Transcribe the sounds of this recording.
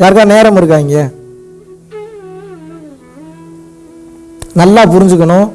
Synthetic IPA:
jaːɾɯkaːneːɾɐmɪɾɯk̬ːaːŋɡɐ | nɐlːaːpʊɾɪɲd͡ʒɯk̬ːɐɳʊ̃ː

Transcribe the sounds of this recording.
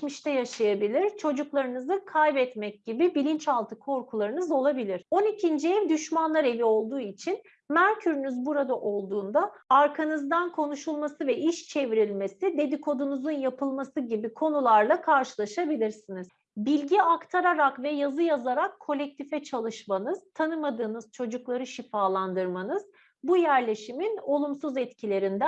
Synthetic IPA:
miʃt̪ʰɛjaʃajabilʲiɾt͡ʃʰo̞d͡ʒuklˠaɾɯnɯzɯkʰajbɛt̪mɛc̚ɟibibilʲint͡ʃalˠt̪ʰɯkʰo̞ɾkʰulˠaɾɯnɯzo̞lˠabilʲiɾ̥o̞nicʰind͡ʒiɛvd̪yʃmanlˠaɾe̞vio̞lˠd̪uːit͡ʃʰin | mæɾcʰyɾynyzbuɾad̪aʔo̞lˠd̪uːnd̪aːɾkʰanɯzd̪ankʰo̞nuʃulˠmasɯvɛʔiʃt͡ʃʰe̞viɾilʲme̞sid̪e̞d̪ikʰo̞d̪unuzunjapʰɯlˠmasɯɟibikʰo̞nulˠaɾlˠakʰaɾʃɯlˠaʃabilʲiɾsiniz̥ | bilʲɟiakt̪ʰaɾaɾakvɛjazɯjazaɾakʰːo̞lʲɛc̚t̪ʰifɛt͡ʃʰalˠɯʃmanɯz̥t̪ʰanɯmad̪ɯːnɯz̥t͡ʃʰo̞d͡ʒuklˠaɾɯʃifaːlˠand̪ɯɾmanɯz̥ | bujæɾlʲe̞ʃimino̞lˠumsuzɛt̪cʰilʲe̞ɾind̪æ

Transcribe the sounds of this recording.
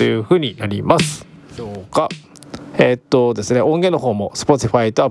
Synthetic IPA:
ojɯ̟ɸɯ̟ːɲ̟inaɾʲḭmasɨ̥soːka | eːt̪ːo̞d̪e̞sɨne̞ʔõ̞ŋɡẽ̞no̞ɦo̞ːmo̞sɨ̥po̞t̪ʲiɸait̪oa

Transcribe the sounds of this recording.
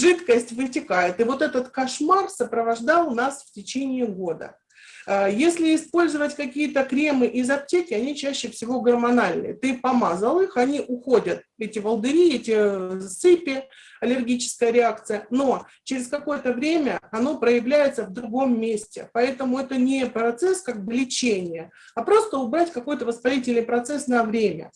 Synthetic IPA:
ʐɨt̪kəsʲtʲvɨtʲɪkajɪt̪ɨvo̞t̪ɛt̪ət̪kɐʂmarsəpɾəvɐʐd̪ɑlˠnasftʲɪt͡ɕenʲɪːɡo̞d̪ə̰ | jesʲlʲɪɪspo̞lʲzəvətʲkɐkʲijət̪əkɾʲe̞mɨʔɪzɐp̚tʲekʲɪɐnʲit͡ɕæɕːɪfsʲɪvo̞ɡərmɐnalʲnɨ̰jət̪ɨpɐmazəlˠɨxɐnʲiʔʊxodʲət̪̚ɛtʲɪvəlˠd̪ɨɾʲiɛtʲɪsɨpʲɪɐlʲɪrɡʲit͡ɕɪ̥skəjəɾʲɪak̚t̪sɨjəno̞ | t͡ɕɪɾʲɪskɐko̞jət̪əvɾʲemʲəɐno̞pɾəjɪvlʲæjɪt̪səvd̪ɾʊɡo̞mːʲesʲtʲɪ̰pɐɛt̪əmʊɛt̪ənʲɪpɾɐt̪sɛskak̚blʲɪt͡ɕenʲɪjə | ɐpɾo̞st̪əʊbɾatʲkɐko̞jt̪əvəspɐɾʲitʲɪlʲnɨjpɾɐt̪sɛsnɐvɾʲemʲə̰

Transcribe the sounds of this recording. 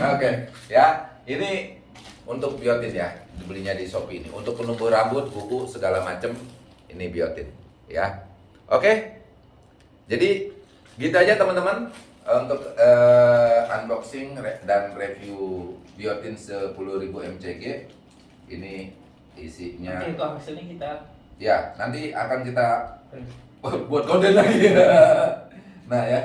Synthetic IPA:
okejaini | unt̪ʊk̚biot̪ɪnjadibəliɲadisopiːnḭʔṵnt̪ʊk̚pənubuhɾambʊt̪̚bukusəɡalamat͡ʃəm | ḭnibiot̪ɪn | ja̰ | ʔoke | d͡ʒadi | ɡit̪uad͡ʒat̪əmənt̪əmən | unt̪ʊkə | anbɔksɪŋedanrefjubiot̪ɪnsəpulʊhɾibuɛmt͡ʃeɡe | ḭni | isiʔɲak̪oasənikit̪a | janant̪ia̰kank̬it̪a | buat̪̚ɡodənlaɡia | nahja

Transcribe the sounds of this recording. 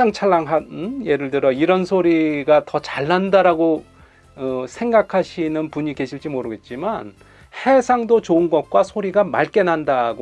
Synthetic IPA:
aŋt͡ɕʰaɭːaŋɦaje̞ɾɯɭtɯɾʌiɾʌnsʰoɾiɡatʌt͡ɕaɭːandaɾaɡo | sʰe̞ŋɡakʰaɕʰinɯnpuɲikeɕʰiɭt͡ɕ͈imoɾɯɡe̞t̚t͡ɕ͈iman | he̞sʰaŋdot͡ɕoɯnɡʌk̚k͈wasʰoɾiɡama̰ɭk͈e̞nɦandaɡo

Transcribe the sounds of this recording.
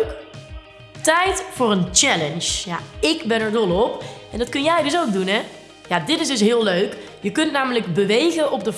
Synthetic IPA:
k | tɛjtfʊːrənt͡ʃɛlənʃjaɪɡbɛnəɹdɔlˠɔpɛndɑtkɵnjɛjdɵs̬owɡ̚dunɦɛ | jadɪtɪsdɵs̬ɦɪːlˠløɥk | jəkɵntnaːmələɡbəʋejɣənʔɔb̚də

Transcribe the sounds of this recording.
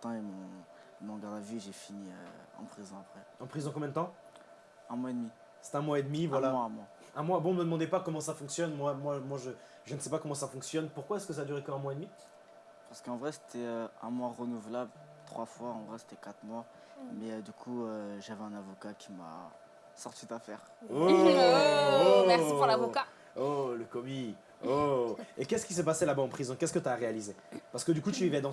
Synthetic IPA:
t̪ɑ̃emɔ̃ | mɔ̃ɡaʁd̪aviʒefiniø̰ɑ̰̃pχizɔ̃apχɛɑ̃pχizɔ̃kɔ̃mjɛ̃d̪ət̪ɑ̃ | ɛ̃mwaed̪mi | se̥t̪ɛ̃mwaed̪mivwalamwãmwa | ɛ̃mwabɔ̃məd̪əmɑ̃d̪epakɔmɑ̃safɔ̃ksjɔnmwamwamwaʒə | ʒənəsɛpakɔmɑ̃safɔ̃ksjɔnpuʁkwaɛskəsad̪yʁekəɛ̃mwaed̪mi | paʁsə̥kəɑ̃vʁɛse̥t̪ʰɛøɛ̃mwaʁənuvlabl | t̪χwafwaɑ̃vʁɛse̥t̪ɛkat̪χmwa | mɛød̪ykʰuøʒavɛɛ̃navɔkakʲi̥ma̰ | sɔʁt̪id̪afɛ̰ʁ | o | oɛuʁlavoka | oləkɔmi | oekʲɛskʲis̬ɛpaselabaɑ̃pχizɔ̃kɛskət̪yaʁealizepaʁsə̥kəd̪ykut̪yvivɛd̪ɑ̃

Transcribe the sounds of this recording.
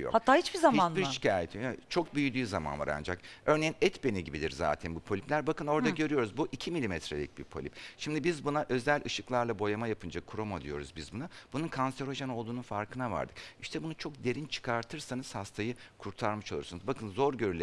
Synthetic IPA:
jo̰hat̪ʰːaːhit͡ʃbizamanbiɾʃi̥cʰaːjet̪ʰit͡ʃʰo̞k̚byjyd̪yːzama̰nva̰ɾa̰nd͡ʒa̰kø̞ɾnejinɛt̪beniɟibid̪ḭɾza̰ːt̪ʰænbupʰolʲiplʲæɾbakɯno̞ɾd̪aɟø̞ɾyjo̞ɾuzbuʔicʰimilʲimɛt̪ɾelʲic̚biɾpʰo̞lʲḭpʃimd̪ibizbunaʔø̞zælʲɯʃɯklˠaɾlˠabo̞jamajapʰɯnd͡ʒakʰːuɾomad̪ijo̞̰ɾuzbizbunab̥ununkʰansɛɾo̞ʒano̞lˠd̪uːnunfaɾkʰɯnava̰ɾd̪ɯkiʃt̪ʰɛbunut͡ʃʰo̞kd̪e̞ɾint͡ʃʰɯ̥kʰaɾt̪ʰɯɾsanɯz̥hast̪ʰajɯkʰuɾt̪ʰaɾmɯʃolˠuɾsunuzbakʰɯnzo̞ɾɟø̞ɾylʲe

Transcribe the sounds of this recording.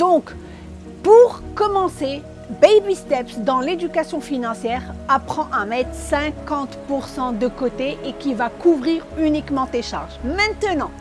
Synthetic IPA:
d̪̥ɔ̃k | puʁkɔmɑ̃se | bejbist̪ɛpsd̪ɑ̃led̪ykasjɔ̃finɑ̃sjɛʁapχɑ̃ʔamɛt̪χsɛ̃kɑ̃t̪puʁsɑ̃d̪əkot̪eʔekʲivakuvʁiʁynikmɑ̃t̪eʃa̰ʁʒmɛ̃t̪ənɑ̃

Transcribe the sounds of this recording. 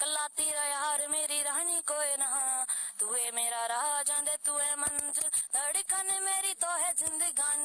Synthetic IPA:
kəlaːt̪iːɾəjaaːɾmeːɾiɾaːɳ̃iːkoːenɐɦãːt̪uemeːɾaːɾaɦad͡ʒãːnd̪eːt̪ʊeːmɐnzd̪əɽiːkɐneːmeːɾiːt̪oːɦezɪ̃nd̪əɡaːn

